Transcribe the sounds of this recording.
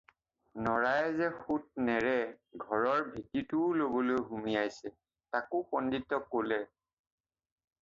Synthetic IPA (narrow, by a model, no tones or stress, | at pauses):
nɔɹajzɛxut̚nɛɹɛɡʱɔɹɔɹbʱititʊlobɔlojɦumijajsɛ | takʊpɔnditːɔkːolɛ